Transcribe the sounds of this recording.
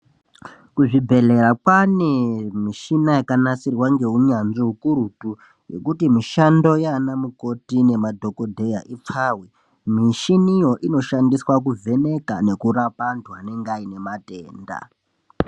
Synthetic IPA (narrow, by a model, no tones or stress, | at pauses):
kuʐibʱe̞le̞ɾapanemiʃinajakanasirwaŋɡe̞ɦuɲanʐiɦukuɾutu | je̞̰kutimiʃando̞jaːnamuko̞tine̞madʱo̞ko̞dʱe̞jaʔip͡faːwe | miʃinijo̞ʔino̞ʃandiswak̬uvʱe̞ne̞kane̞kuɾapantwane̞ŋɡaine̞mateːnda̰